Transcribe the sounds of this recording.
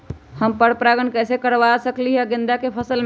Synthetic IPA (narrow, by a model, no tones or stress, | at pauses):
həmpəɽpɾaɡənkəjsekəɾʋasəkliɦəɡẽnd̪akepʰəsəlm